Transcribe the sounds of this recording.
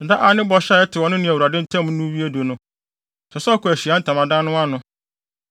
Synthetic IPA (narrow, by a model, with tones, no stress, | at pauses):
n̩˨da˦ʔa˨nɪ̃˦bɔ˨ɕa˦ɛ˦tʰɪ˨wɔ˨nʊ̃˦nɪ̃˨æ˨wu˨ɾa˨dɪ̃˦n̩˦tʰɛ̃˦m˦n̩˦nũ˦wi˦e˦do˨nʊ̃˦ | sʰɛ˨skʊ˨æ˨ɕi˨a˦n̩˦tʰã˨mã˨dã˦nʊ̃˦a˦nʊ̃˦